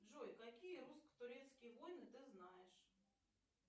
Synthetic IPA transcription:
ʐɔjkakʲijɛɾuskə̥t̪ʊɾʲɛt̪skʲijvɔjnɨt̪ɨznajɛʂ

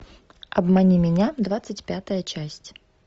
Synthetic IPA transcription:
ɐbmɐnʲimʲɪnʲad̪vat̪sɨtʲpʲat̪əjət͡ɕasʲtʲ

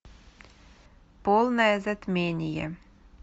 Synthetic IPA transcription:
polˠnɑezɘt̪menʲijḛ

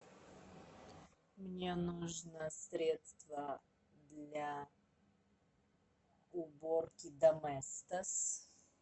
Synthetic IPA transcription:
mnʲɛnuʒnəsɾʲɛt̪st̪və | d̪lʲa | ʊboɾkʲid̪ɐmɛst̪əs

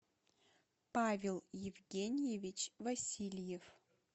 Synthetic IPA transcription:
pʰavʲelˠjɪvɡʲenʲɪjevʲɪt͡ʃʰvɐsʲilʲjev

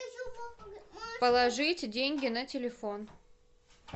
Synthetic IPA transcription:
pəlˠɐʐɨtʲdʲenʲɡʲɪnətʲɪlʲɪfon

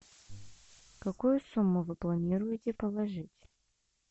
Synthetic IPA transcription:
kɐkujʊsumːʊvɨplˠɐnʲiɾʊjɪtʲɪpəlˠɐʐɨtʲ

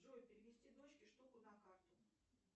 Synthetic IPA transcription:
ʐojʲpʲɪɾʲɪvʲɪsʲtʲid̪o̞t͡ɕkʲɪʂt̪okʊd̪ɐkart̪ʊ

